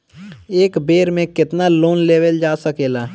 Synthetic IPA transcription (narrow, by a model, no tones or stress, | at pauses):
eːkbeːɾmẽkɪt̪naloːnleːʋəld͡ʒaːsəkeːlaː